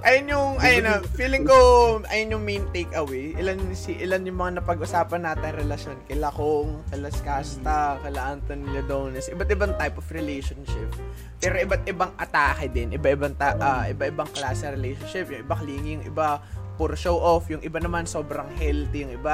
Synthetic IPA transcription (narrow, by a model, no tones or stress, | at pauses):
ʔɐjonjʊŋʔɐjɐnɐfiːlɪŋkoʔɐjonjʊŋmint̪ejkɐwejʔɪlansiʔɪlanjʊŋmɐŋanɐpɐɡʔʊsaːpɐnːaːt̪ɪŋɾɛlɐʃjonkɐlɐkoŋkɐlɐskast̪ɐkɐlɐʔant̪ɐnlod̪ownɐsʔɪbɐt̪ʔɪbaŋt̪ajpofɾɛlɛjʃonʃɪp̚ː | ɛːɾo̞ʔɪbat̪̚ʔɪbaŋʔɐt̪aːkɐd̪ɪnʔɪbaʔɪbaŋt̪aʔaʔɪbaʔɪbaŋklaːsɛɾɛlɛjʃonʃɪpjʊŋʔɪbakɐliːŋɪjʊŋʔɪ̰bapʊɾʃowʔofjʊŋʔɪbanɐmanso̞ːbɾɐŋhɛlt̪ɛjʊŋɪba